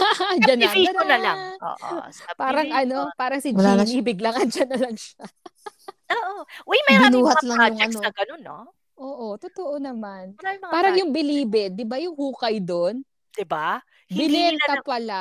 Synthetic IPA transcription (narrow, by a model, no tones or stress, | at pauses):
ahd͡ʒɐnːɐiɐlnɐlaŋo̰ːʔo̰paːɾɐŋʔɐno̞paːɾɐŋsɪd͡ʒmʊlaːlɐŋiːbɪɡlɐŋɐnd͡ʒɐnːɐlɐŋʃa | oːʔowɛjmɐbɪnuːhɐt̪lɐjʊŋɐnoɐɡɐnonːo̰ | ʔoːʔot̪ʊt̪oʔonɐmanpaːɾɐŋjʊŋbɪliːbɛd̪ɪbajʊŋhuːkɐjd̪on | d̪̥ɪba | bɪlɛnnt̪ɐpɐla